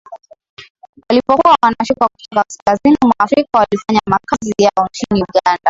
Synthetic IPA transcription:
walipɔkuwawanaʃukaku̥tɔkakaskazinimwaːfɾikawalifaɲamakazijaɔnt͡ʃiniuɠanda

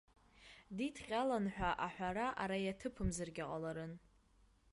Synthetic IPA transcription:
ditʰqʲʼalanħʷᶣaʔaħʷᶣaɾaʔaɾajatʰɨpʰɨmzarɡʲaqʼalaɾɨn

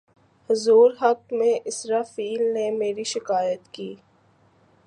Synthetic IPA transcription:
hʊzuːɾɦɐk̚mẽʔɪsɾaːfiːlnemeːɾiʃɪkaːjət̪kiː

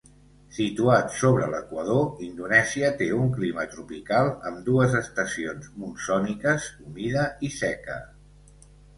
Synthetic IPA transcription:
sit̪uat̪soβɾələkwəð̞oind̪unɛziət̪euŋklimət̪ɾupikalˠəmd̪uəzəst̪əsionzmunsɔnikəzumiðəisɛkə̰

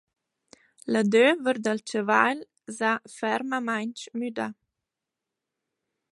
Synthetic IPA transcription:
ləd̪øvəɾd̪əlt͡ʃəvajl | zafɛɾməmajnt͡ʃmyd̪a

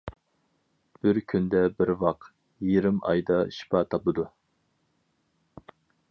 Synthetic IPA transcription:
b̥ɪɾkʲʰynd̪ɛbɪɾwɑq | jiɾɪmɑ̰jd̪ɑʃi̥pʰɑt̪ʰɑpɨd̪u

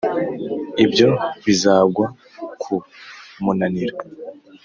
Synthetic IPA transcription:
ibjo̞βizaːbɡwa | kʰumunaniɾa

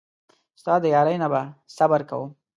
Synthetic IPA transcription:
st̪ɑd̪əjɑɾəjnabasabaɾka̰wu

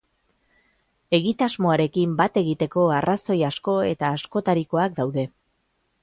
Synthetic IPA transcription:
e̞ɣit̪azmo̞aɾe̞kimbat̪e̞ɣit̪e̞ko̞araso̞jasko̞e̞̰t̪aːsko̞t̪aɾiko̞ak̚d̪awðe̞

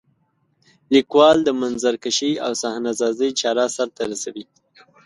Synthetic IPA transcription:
likwɑld̪əmanzaɾkaʃia̰wsɑhnazɑzəjt͡ʃɑɾɑsaɾt̪aɾasawi

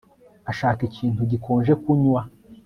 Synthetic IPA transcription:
aʃaːkiciːntuɟikʰoːnʒe̞kuɲwa

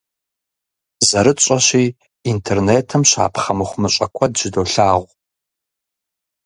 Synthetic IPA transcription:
zɐɾɨt͡ʃʼɐɕiː | intʰerneːtʰɨmɕa̰ːpχɐmɨχʷʊmɨɕʼɐkʷʰɐdʒ̥ɪdoːɬaːʁʷ

